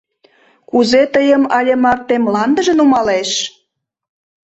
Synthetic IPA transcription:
kuzet̪əjəmɑlʲemɑrt̪ːemlɑnd̪əʒə̆numɑleʃ

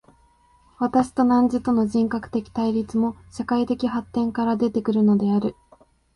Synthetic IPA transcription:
βat̪aɕi̥t̪o̞nãɲ̟d͡ʑit̪o̞no̞ʑĩŋkakɯ̟̥t̪e̞kʲi̥t̪aiɾʲit͡sɨmo̞ɕakait̪e̞kʲiɦat̪ːẽ̞ŋkaɾad̪e̞t̪e̞kɯ̟ɾɯ̟no̞d̪e̞aɾɯ̟

